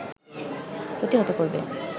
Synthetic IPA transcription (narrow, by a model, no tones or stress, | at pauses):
pɾot̪iɦot̪okoɾbḛ